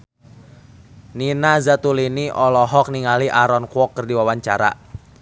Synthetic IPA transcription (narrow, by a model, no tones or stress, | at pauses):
ninazat̪uliniʔɔlɔɦɔk̚niŋaliʔaɾɔnkuɔkːərdiwawaɲt͡ʃa̰ɾa̰